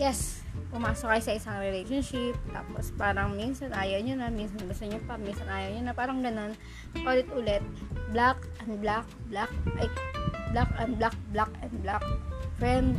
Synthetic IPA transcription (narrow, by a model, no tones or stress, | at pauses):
jɛs | pʊmaːsokajsɐʔɪsɐŋɾɛlɛjʃonʃɪp̚t̪a̰ːpo̰spaːɾɐŋminsɐnʔaːjoɲonɐminsɐnbɐsoɲopɐminsɐnʔaːjoɲonɐpaːɾɐŋɡɐno̞n | ʔoːlɛt̪ʔʊlɛt̪̚blakʔɐnd̪blak̚blak̚ʔɐjblakɐn̚blak̚blakɛnd̪̚blak̚fɾɛnd̪̚